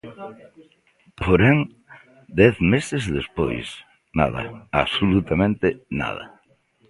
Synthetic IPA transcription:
poɾɛŋ | d̪ɛθmesɪzðespo̰js | na̰ðɐ̰aβsolut̪amẽnt̪ɪna̰ð̞ɐ̰

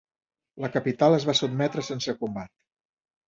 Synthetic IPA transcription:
ləkəpit̪alˠəzβasud̪mɛt̪ɾəsensəkumbat̪̚

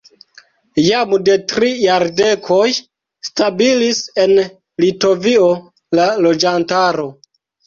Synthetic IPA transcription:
jamde̞tɾijaɾde̞kʰo̞j | stabilise̞n | lito̞vio̞ | lalo̞d͡ʒantaɾo̞

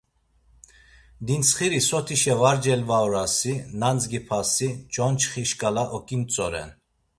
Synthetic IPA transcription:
d̪insχiɾisɔt̪ʰiʃɛvaɾd͡ʒɛlvaɔɾasinand͡zɡipʰasid͡ʒʼɔnt͡ʃʰχiʃkʼalaʔɔkʼint͡sʼɔɾɛ̰n

